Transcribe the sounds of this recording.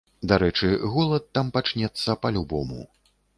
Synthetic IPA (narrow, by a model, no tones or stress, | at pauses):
d̪aɾɛt͡ʂɨɣɔlˠɐt̪ːampat͡ʂnʲɛt̪sːɐpɐlʲubɔmṵ